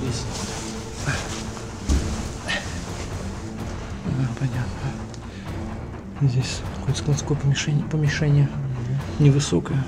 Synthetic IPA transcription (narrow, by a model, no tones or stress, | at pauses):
esʲ | d̪apɐnʲat̪nə | zʲdʲesʲkɐkojt̪skˠonskojəpəmʲɪʂɛnʲpəmʲɪʂɛnʲɪjənʲɪvɨsokəjə